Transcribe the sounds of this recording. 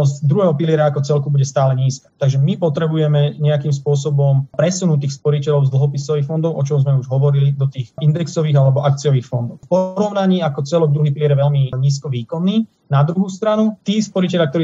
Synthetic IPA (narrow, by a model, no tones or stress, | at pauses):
ɔzd̪ɾuɦɛːɦɔpilɪɛɾaakɔt͡sɛlkubuɟɛst̪aːlɛɲiːskḁt̪aɡʒɛmipɔt̪ɾɛbujɛmɛɲɛakiːmspʊɔsɔbɔmpɾɛsunut̪iːxspɔɾicɛʎɔʊzd̪l̩ˠɦɔpisɔʋiːxfɔnd̪ɔʊʔɔt͡ʃɔmzmɛuʒɦɔʋɔɾilid̪ɔt̪iːxind̪ɛksɔʋiːɣalɛbɔʔak̚t͡sijɔʋiːxfɔnd̪ɔʊfpɔɾɔʊnaɲiːakɔt͡sɛlɔɡ̚d̪ɾuɦipilɪɛɾɛʋɛlmiɲiːs̬kɔʋiːkɔnːiː | nad̪ɾuɦust̪ɾanut̪iːspɔɾicɛlʎjak̚t̪ɔɾiː